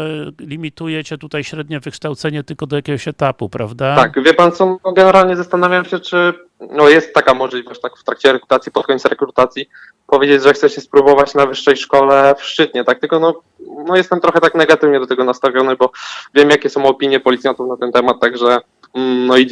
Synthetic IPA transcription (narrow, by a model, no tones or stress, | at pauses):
lʲimʲit̪ujɛt͡ɕɛt̪ut̪ajɕɾɛd̪ɲɛvɨkʂt̪awt̪sɛɲɛt̪ɘlkɔd̪ɔjakʲɛɡɔɕɛt̪apupɾavd̪at̪akvʲjɛpant̪sɔnɔɡɛnɛɾalɲɛzast̪anavʲjamɕɛt͡ʂɘ | nɔjɛst̪ːakamɔʐlʲivɔɕt͡ɕt̪akft̪ɾak̚t͡ɕɛɾɛkɾut̪at̪sʲjipɔt̪kɔɲʲt̪sɾɛkɾut̪at̪sʲji | pɔvʲed͡ʑed͡ʑʐɛxt̪sɛt͡ɕɛspɾubɔvat͡ɕnavɘʂːɛjʂkɔlɛfʂt͡ʂɘt̪ɲɛt̪ak̚t̪ɘlkɔnɔ | nɔjɛst̪ɛmt̪ɾɔxɛt̪aknɛɡat̪ɘvɲɛd̪ɔt̪ɛɡɔnast̪avʲjɔnɘbɔvʲjɛmjakʲɛsɔ̃w̃ɔpʲiɲjɛpɔlʲit̪sjant̪ufnat̪ɛnt̪ɛmat̪ːaɡʐɛ | nɔid͡ʑ